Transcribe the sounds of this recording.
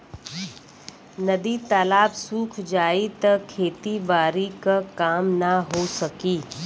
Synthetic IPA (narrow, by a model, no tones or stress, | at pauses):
nɐd̪it̪aːlaːbsuːkʰd͡ʒaːit̪ɐkʰːeːt̪ibaːɾikakaːmnaɦoːsɐkiː